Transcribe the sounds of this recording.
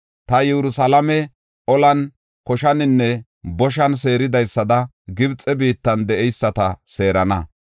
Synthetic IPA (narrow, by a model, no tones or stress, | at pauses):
t̪ɐjɛɾʊsɐlɐmɛ | ʔɔlɐn | kɔʃɐnɪnːɛ | bɔʃ̬ɐns̬e̞ːɾɪd̪ɐjsːɐd̪ɐ | ɡɪbt͡sʼɛbiːt̪ːɐnd̪ɛʔɛjsːɐt̪ɐse̞ːɾɐnɐ